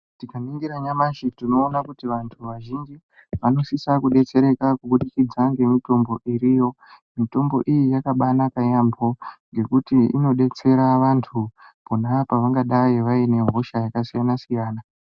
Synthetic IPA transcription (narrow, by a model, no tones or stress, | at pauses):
tikaniŋɡiɾaɲamaʃetino̞ːnakutiʋantʰuʋaʒind͡ʒi | ʋano̞sisakuɗe̞t͡se̞ɾe̞kakuɓuɗikid͡zaŋɡe̞mito̞mbo̞ʔiɾijo̞ | mito̞mbo̞̰ʔijijakaɓanakajambʱo̞ŋɡe̞kutiḭno̞ɗe̞t͡se̞ɾaʋantʰuponapaʋaŋɡaɗajiʋaine̞ɦo̞ʃajakasijanasijaːna